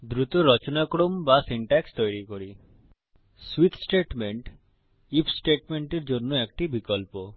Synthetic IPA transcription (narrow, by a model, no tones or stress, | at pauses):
d̪ɾut̪oɾɔt͡ʃonakɽombasiɳʈakst̪ojɽikoɾi | swit̪ʰsʈeʈmeɳʈ | ipʰsʈeʈmeɳʈeɾd͡ʒonːoek̚ʈibikɔlpo